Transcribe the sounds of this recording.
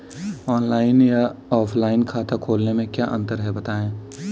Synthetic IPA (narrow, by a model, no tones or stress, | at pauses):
ɔːnlaːɪnjaɔːpʰlaːɪnkʰaːt̪akʰoːlnemẽkjaːʔə̃nt̪əɾɦɛbɐt̪aːẽː